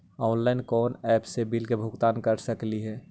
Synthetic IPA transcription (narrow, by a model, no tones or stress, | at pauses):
ɔːnlaɪnkɔːnɛːpsebilkebʱʊɡt̪aːnkəɾsəkliɦɛː